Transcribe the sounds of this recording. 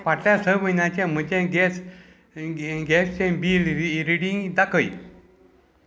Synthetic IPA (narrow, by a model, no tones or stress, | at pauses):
paʈljasəʋənjat͡ɕẽm̤əd͡ʑẽɡɛs | ɡɛst͡ɕẽbiːlɾiɽĩŋɡd̪akəj